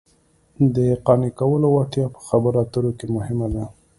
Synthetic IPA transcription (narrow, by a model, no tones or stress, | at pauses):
d̪əqɑnikawəlowat̪jɑpə̥xabəɾɑt̪əɾokemʊhɪmad̪a